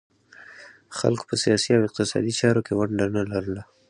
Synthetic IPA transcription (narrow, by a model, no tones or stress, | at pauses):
xa̰lko̥pəsijɑsiawɪq̚t̪ɪsɑ̰d̪it͡ʃɑɾokewaɳɖanalaɾəla